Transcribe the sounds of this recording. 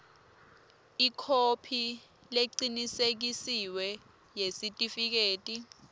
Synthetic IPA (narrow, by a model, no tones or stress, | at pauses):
ikʰopʰi | leǃinisek̬isiwɛ | jesitʼifik̬eːtʼi